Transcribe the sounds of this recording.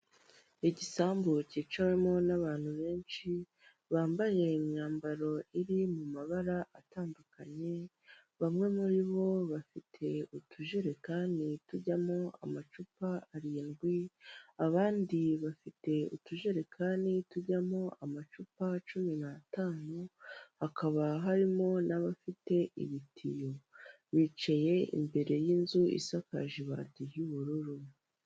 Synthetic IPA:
iɟisaːmbociːt͡ʃawe̞mo̞naβaːnhuβe̞ːnt͡ʃi | βaːmbaʒe̞imɲaːmbaɾo̞iɾimumaβaɾaʔataːndukaɲe̞ | βamŋe̞muɾiβo̞βafitʰe̞utuʒiɾekaːndituɟamo̞a̰mat͡ʃupaːɾiːnɡwiaβaːndiβafite̞ṵtuʒeɾe̞kʰaːndituɟamo̞amat͡ʃupat͡ʃuminataːnuhakʰaβaɦaɾimo̞naβafite̞ʔḭβitʰijo̞ | βit͡ʃaje̞ḭmbe̞ɾe̞jiːnzuḭsaka̰ʒiβa̰ːtijuβuɾuɾu

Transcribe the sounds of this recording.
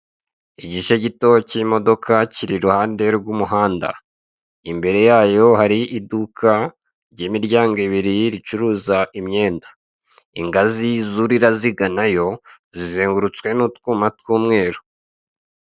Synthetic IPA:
iɟiʃeɟito̞cimo̞do̞kʰaciɾiɾuhaːnde̞ɾɡumuɦaːnda̰ | imbe̞ɾe̞jaːjo̞haɾiʔidukʰa | ɾɟeːmiɾɟaːŋɡeβiɾiɾit͡ʃuɾuːzaʔimɲe̞ːndḁ | ḭŋɡazizuɾiɾaziɡanajo̞ | zizeːŋɡuɾut͡skwe̞nutkuːmatwuːmŋe̞ːɾo

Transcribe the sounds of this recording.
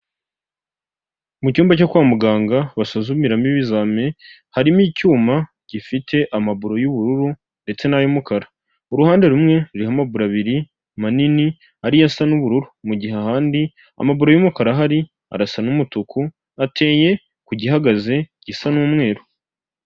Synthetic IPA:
mucuːmbacokwaːmuɡaːŋɡaβasuzumiɾamiβizaːme̞ | haɾimiːcuːma | ɟ̥ifitʰe̞ʔamaβuɾo̞juβuɾuɾu | nde̞t͡se̞najomukaɾa | uɾuhaːnde̞ɾumŋe̞ɾuɾihamabuɾaβiɾi | manini | aɾijasanuβuɾuɾumuɟiɦeahaːndi | a̰maβuɾo̞jumukaɾaɦaɾi | a̰ɾasanumutuku | atʰe̞ːje̞ | kuɟiɦaɡaze̞ɟ̥isanuːmŋe̞ːɾo

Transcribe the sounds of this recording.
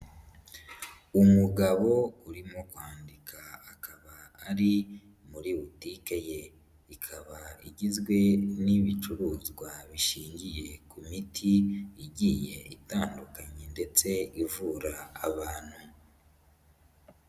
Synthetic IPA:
umuɡaβo̞uɾimo̞kwaːndikʰaːkaβaːɾi | muɾiβutikeje | ikʰaβaḭɟizɡwe̞niβit͡ʃuɾuːzɡwaβiʃiːɲɟije̞kumitʰiːɟiːje̞itaːndukaɲende̞t͡se̞ivuːɾaːβaːn̥hu

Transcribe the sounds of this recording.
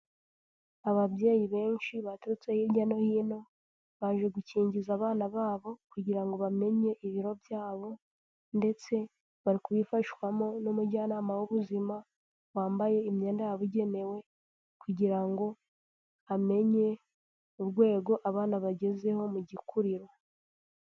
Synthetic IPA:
aβaβje̞ːjiβe̞ːnʃiβatuɾut͡sehiɟano̞hiːno̞ | βaʒe̞ɡuciːɲɟizaːβaːnaβaːβo̞kuɟiɾaŋɡo̞βame̞ɲe̞ʔiβiɾo̞vjaːβo̞ | nde̞t͡se̞ | βaɾikuβifaʃwamonumuɟaːnaːmawuβuzima | waːmbaje̞imɲe̞ːndajaβuɟe̞ne̞we̞ | kuɟiɾaŋɡo̞ | ame̞ɲe̞ | uɾɡwe̞ːɡo̞ʔaβaːnaβaɟe̞ze̞ho̞muɟikʰuɾiɾo̞

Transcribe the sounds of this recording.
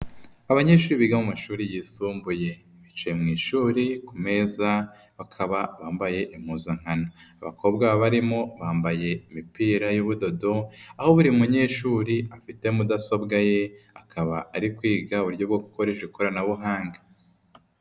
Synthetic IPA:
aβaɲe̞ːʃuːɾiβiɡamumaʃuːɾijiːsuːmbuje̞ | βit͡ʃeemŋiːʃuːɾikume̞ːza | βakʰaβaβaːmbaje̞ʔimhuːzaŋ̥anaaβa̰kʰo̞ːbɡaβaβaɾimo̞βaːmbaje̞imipiːɾajuβudo̞do̞aho̞βuɾiumuɲe̞ːʃuːɾiafite̞mudaso̞bɡaje̞akʰaβaːɾikwiːɡaβuɾɟo̞bɡokuko̞ɾeʃekoɾanaβuɦaːŋɡḁ

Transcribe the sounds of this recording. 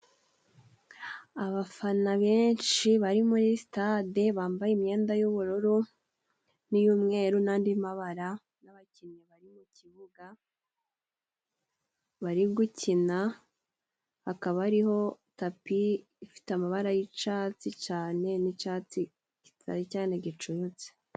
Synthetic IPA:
aβafanaβeːnt͡ʃiβaɾimuɾistadeβaːmbajeimɲe̞ːndajuβuɾuɾu | nijuːmŋe̞ːɾunaːndimaβaɾa | naβaciɲɲeβaɾimuciβuɡa | βaɾiɡucʰina | hakaβɾiɦo̞ | tapiː | fi̥tamaβaɾajit͡ʃaːt͡sit͡ʃaːne̞nit͡ʃat͡si | ki̥tʰa̰ɾicaːne̞ɟit͡ʃujut͡se̥

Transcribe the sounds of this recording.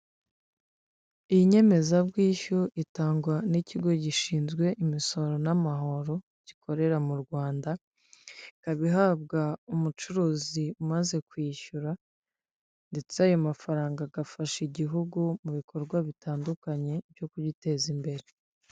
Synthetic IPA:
ijiɲe̞me̞zabɡiːçuʔitaːŋɡwaniciɡo̞ɟiʃiːnzɡwe̞ʔimiso̞ɾo̞namaɦo̞ɾo̞ | ɟ̥ikʰo̞ɾe̞ɾamuɾɡwaːnda | ikaβiɦaːb̚ɡaumut͡ʃuɾuːziumaze̞kwiːçuɾa | nde̞t͡seajomafaɾaːŋɡaɡafaʃiɟiɦuɡumuβikʰo̞ɾɡwaβitaːndukaɲe̞bjo̞kuɟite̞zimbe̞ɾe̞

